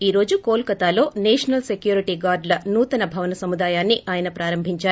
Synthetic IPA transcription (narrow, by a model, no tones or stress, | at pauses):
iːɾo̞ːd͡ʒukoːlkɐt̪aːlo̞ːnɛːʂɐnɐlsekjuːɾiʈiɡaːɾɖlɐnuːt̪ɐnɐbʱɐʋɐnɐsɐmud̪aːjaːnːiʔaːjɐnɐpɾaːɾɐmbʱiɲt͡ʃaːɾu